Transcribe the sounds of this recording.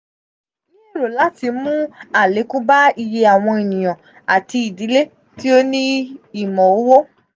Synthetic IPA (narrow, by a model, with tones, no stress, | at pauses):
i˦˨ɾo˨la˦ti˧mũ˦a˨le˨˦ku˦ba˦i˧je˧a˨w̃ɔ̃˧e˨nĩ˨j̃ɔ̃˨ | a˨ti˧i˨di˨˦le˦ | ti˦o˦nĩ˦i˨mɔ̃˨o˦wo˦